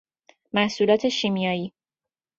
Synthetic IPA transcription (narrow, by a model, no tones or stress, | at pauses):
mæhsuːlɒːt̪ʰe̞ʃimijɒːjiː